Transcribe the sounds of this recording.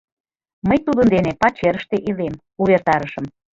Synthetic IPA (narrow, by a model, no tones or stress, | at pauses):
məjt̪ud̪ənd̪enepɑt͡ɕeɾəʃt̪eʔilem | uβert̪ɑɾəʃə̆m